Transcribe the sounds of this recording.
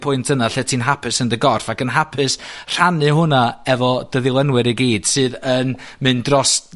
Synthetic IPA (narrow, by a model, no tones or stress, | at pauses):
pʰʊɨntʰənaɬɛtʰiːnɦapʰɨsəndəɡɔrfakənɦapʰɨsr̥anɨɦʊnaɛvɔd̥əðɪlˠənwɨɾiɡiːd̥sɨːðənmɨndrɔs